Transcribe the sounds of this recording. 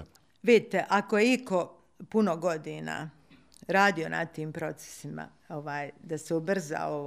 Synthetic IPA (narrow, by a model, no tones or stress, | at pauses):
ʋid̪it̪e̞ʔako̞jeiko̞ | puno̞ɡo̞d̪ina̰ː | ɾaːd̪io̞nʔa̰t̪iːmpɾo̞t̪se̥sima̰ | o̞ʋaːjd̪aseubr̩za̰o